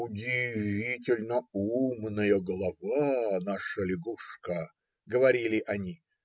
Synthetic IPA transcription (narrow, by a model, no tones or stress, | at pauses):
ʊdʲɪvvʲitʲɪlʲnəumnɨjəɡəlˠɐvanaʂəlʲɪɡuʂkə | ɡəvɐɾʲilʲɪʔɐnʲi